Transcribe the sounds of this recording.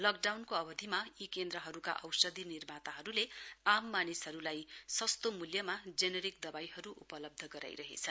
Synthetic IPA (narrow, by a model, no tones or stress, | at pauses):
lʌkɖawnkoʌbʌd̪ʱimajikend̪ɾʌɦʌɾuka̰ʔʌwsʌd̪ʱinirmat̪aɦʌɾuleamːanisɦʌɾulajsʌst̪omuljʌmad͡zeneɾik̚d̪ʌbajɦʌɾuʔupʌlʌb̚d̪ʱʌɡʌɾa̰jɾʌɦḛt͡sʰʌn